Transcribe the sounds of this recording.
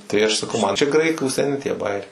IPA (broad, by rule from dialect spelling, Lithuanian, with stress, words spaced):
tɐɪ ɐʃ sɐˈkɐʊ mɐn t͡ʃʲɛ ˈɡrɐɪkuː sʲɛˈnʲɪ tʲiɛ ˈbɑːjɛrʲɛɪ